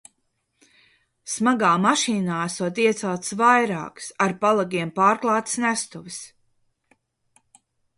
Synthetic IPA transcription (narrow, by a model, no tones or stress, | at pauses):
smaɡaːmaʃiːnaːæsuɔt̪iɛt̪sɛlˠt̪svajɾa̰ːksaɾpalˠaɡʲiɛmpaːɾklˠɑːt̪snæst̪uvɨs